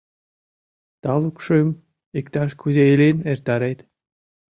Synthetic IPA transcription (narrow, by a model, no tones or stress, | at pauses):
t̪ɑlˠukʃɨm | ikt̪ɑʃkʰuzʲejelenert̪ɑɾejt̪